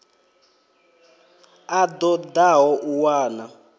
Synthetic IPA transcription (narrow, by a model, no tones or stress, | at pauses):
ad̪ɔd̪aɦɔʔuwaːna